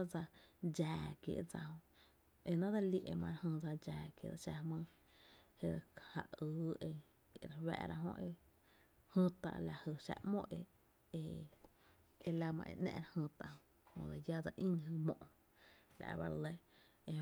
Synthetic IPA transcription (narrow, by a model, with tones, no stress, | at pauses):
a˦d͡za˧d͡ʒaː˨kjḛ˧ʔd͡za˧hõ˧ʔ | e˧nã˦d̪a˧li˧ʔe˧mã˧ɾhə̃˧d͡za˧d͡ʒaː˨kjḛ˧˨da˧ʃa˧mə̃ː˧ | he˧ha˧ʔɨː˨˦e˧ | e˧ɾa˧wa̰˧ʔɾa˧ɦõ̰˧ʔe˧ | hə̃˧t̪a̰˧ʔla˧hə˧ʃa̰˧ʔmõ˦ʔe˧ | e˧ | e˧la˧mã̰˧ʔḛ˧˨ʔnã̰˧ɾa˧hɨ̃˧t̪a˧hõ˧ | hõ̰˧d̪a˧ja˦d͡za˧ʔĩ˦nɦɨ˧mõ˧ʔ | la̰˨ʔba˧ɾle˧ | e˧